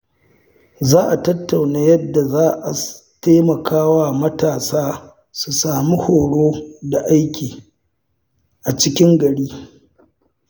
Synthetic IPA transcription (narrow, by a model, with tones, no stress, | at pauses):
zaː˦ʔa˨tɐ˦tːa˨wnaː˦jɐ˦dːa˨zaː˦ʔa˨ | teː˦mɐ˨kʰaː˦wa˦mɐ˦taː˨saː˦ | su˨saː˨mi˦hoː˨ɽoː˦da˨ʔa˦jkʲiː˨ | ʔa˨t͡ʃɪ˦kʲɪ˦ŋɡɐ˨ɽiː˦